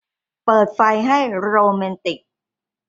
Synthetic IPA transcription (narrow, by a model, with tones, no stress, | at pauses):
pɤː˨˩t̪̚fa˧jɦa˥˩jɾoː˧mɛ˧nt̪i˨˩k̚